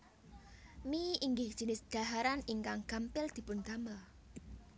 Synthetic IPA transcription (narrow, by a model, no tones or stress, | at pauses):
miiŋɡɪhd̥ʒ̥ə̤nɪsd̥a̤ɦaɾaniŋkaŋɡ̥ampɪld̪̥i̤pʊnd̪amə